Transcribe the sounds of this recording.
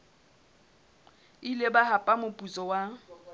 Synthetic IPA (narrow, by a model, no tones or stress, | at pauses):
ilebahapʼamʊpʼut͡sʼɔwa